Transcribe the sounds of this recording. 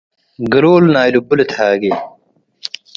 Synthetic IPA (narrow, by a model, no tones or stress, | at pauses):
ɡɐloːlnaːjlubulet̪ʰaːɡe